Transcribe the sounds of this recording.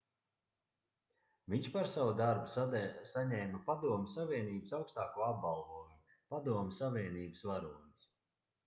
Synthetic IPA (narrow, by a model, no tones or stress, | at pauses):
viɲʃpaɾsawud̪aɾbu̥ssaɲɛːmapad̪uɔmʲɪsːavʲiɛniːbəsawkst̪aːkuɔab̚balˠvuɔju | pad̪uɔmʲsavʲiɛniːbəsvaɾunis